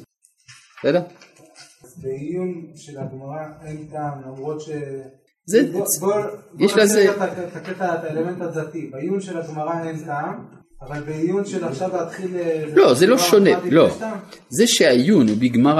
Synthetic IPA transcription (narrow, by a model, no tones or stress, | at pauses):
sede | azbeijunʃelaɡmaʁaentamlamʁo̞t̪ʃe | zebobjeʃlazet̪at̪aket̪aet̪aelement̪hadatibaijunʃelaɡmaʁaentaːm | avalbeijunʃelafʃavlat̪χilelo̞zelo̞ʃoneloamzeʃeaijunubiɡmaʁ